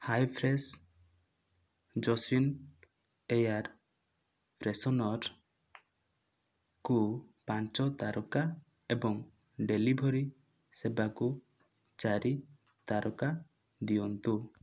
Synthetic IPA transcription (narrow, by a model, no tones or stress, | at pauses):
hajpʰɾes | d͡ʒɔsin | ejaɾ | pʰɾesɔnɔɾ | kupant͡ʃɔt̪aɾuka | ebɔŋ | ɖelibʱɔɾi | sebaku | t͡ʃaɾi | t̪aɾɔka | d̪iɔnt̪u